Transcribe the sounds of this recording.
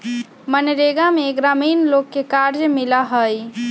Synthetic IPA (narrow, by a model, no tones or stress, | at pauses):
mənɾeɡameɡɾamiːnlokːekaɾd͡ʒmilaɦəj